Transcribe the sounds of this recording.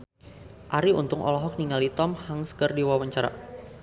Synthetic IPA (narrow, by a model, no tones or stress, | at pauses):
ʔaɾiṵnt̪ʊŋʔɔ̰lɔɦɔk̚niŋalit̪ɔmhaŋskərdiwawaɲt͡ʃaɾa̰